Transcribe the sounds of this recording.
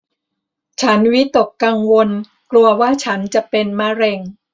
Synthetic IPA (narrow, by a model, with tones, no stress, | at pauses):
t͡ɕʰa˦˥nwi˦˥t̪o˨˩kːa˧ŋwo˧n | klu˧ɐwaː˥˩t͡ɕʰa˦˥nt͡ɕa˨˩pe˧nma˧ɾɛ˧ŋ